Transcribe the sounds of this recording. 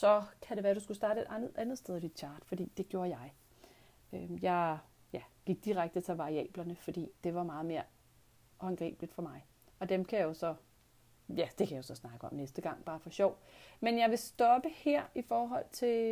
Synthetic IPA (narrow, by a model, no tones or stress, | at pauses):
sɒ̽kʰæɾe̝ʋæːɐd̥usɡ̥usd̥ɑ̈ːɾəe̝d̥ænð̩ˠʔænð̩ˠsd̥eðˠʋid̥ɕʰɑ̈ːd̥fɒ̽d̥ḭːd̥e̝ɡ̥jo̝ːɐjɑ̈ɪ | øjɑ̈ɪ | jæɡ̥iɡ̥̚d̥iʁaɡ̥̚d̥ət͡sʰe̝lʋɑ̈ʁiɛ̰ːb̥lɐnəfɒ̽d̥ḭːd̥e̝ʋɑ̈mɑ̈ːð̞̩ˠme̝ːɐ | ɒnɡ̥ʁḭːb̥lid̥fɒ̽mɑ̈ɪ | ɒ̽d̥emkʰæjjo̝sɒ̽ | jæd̥e̝kʰæjjo̝sɒ̽snɑ̈ɡ̥əɒ̽mnesd̥əɡ̥ɑ̈ŋ̰b̥ɑ̈ːfɒɕɒʊ̰menjɑ̈ɪʋe̝sd̥ɒ̽b̥əheɐ̰ifɒːɦɒ̽l̰t͡sʰe̝